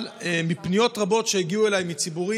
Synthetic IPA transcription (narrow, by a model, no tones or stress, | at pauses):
lemipnijo̞tʁabo̞tʃeeɡiue̞lajmit͡sibuʁi